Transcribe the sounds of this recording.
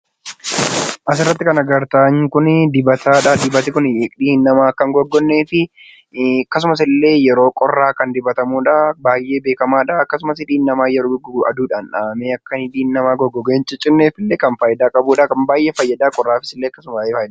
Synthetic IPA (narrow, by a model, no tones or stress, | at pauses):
ʔɐs̬ɪrːɐt̪ːɪkɐnɐɡɐɾt̪aːɲːɪkʊnd̪ɪbɐt̪ʰaːᶑad̪ɪbɐt̪ɪkʊnᶑiːnːɐmaːkːɐŋɡɔɡːɔnːe̞ːfɪ | ɐkːɐs̬ʊmɐs̬ɪlːe̞ːjɛɾo̞ːkʼɔrːaːkɐnd̪ɪbɐt̪ɐmuːᶑaːbaːjʔe̞ːbe̞ːkɐmaːᶑaːkːɐs̬ʊmɐsɪᶑiːnːɐmaːjɛɾoːɡɐ̰d̪uːᶑaːnᶑaːmeːɐkːɐnɪᶑiːnːɐmaːɡɔɡːɔɡeːnt͡ʃːɪt͡ʃʼɪnːeːfɪlːeːkɐnfɐjɪd̪aːkʼɐbuːᶑaːkɐmbaːjʔeːfɐjːɐd̪aːkʼɔrːaːfɪ̥sɪlːeːɐkːɐsʊmɐjd̪